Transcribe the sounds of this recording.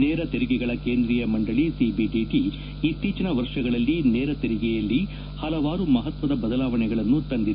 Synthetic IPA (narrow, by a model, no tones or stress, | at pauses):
nɛːɾɐt̪eɾiɡɛɡɐɭɐkeːnd̪ɾijɐmɐɳɖɐɭisibiɖiʈiː | t̪ːiːt͡ʃɐnɐʋɐɾʂɐɡɐɭɐlːinɛːɾɐt̪eɾiɡɛjɐlːi | hɐlɐʋaːɾumɐɦɐt̪ʋɐd̪ɐbɐd̪ɐlaːʋɐnɛɡɐɭɐnːut̪ɐnd̪i